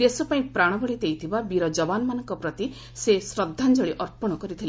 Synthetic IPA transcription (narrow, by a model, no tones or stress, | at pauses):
d̪esɔpaĩpɾaɽ̃ɔbɔɭid̪ejt̪ʰibabiɾɔd͡ʒɔbanɔmanɔŋkɔpɾɔt̪i | sesɾɔd̪ʱːand͡ʒɔɭiʔɔɾpɔɽ̃ɔkɔɾit̪ʰil